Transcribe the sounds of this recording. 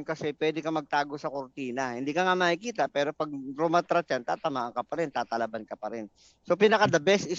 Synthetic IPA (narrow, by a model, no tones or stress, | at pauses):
kɐsɛpwɛːd̪ɪkɐmɐɡ̚t̪aːɡo̞sɐkoɾt̪iːnɐhɪnd̪iːkɐŋamaːhɪkiːt̪ɐpɛːɾo̞pɐɡ̚ɾomat̪ɾɐt͡ʃant̪a̰ːt̪ɐmaːʔɐŋkɐpɐɾɛnt̪aːt̪ɐlɐbankɐpɐɾɪn | sopinɐkad̪ɐbɛsɪ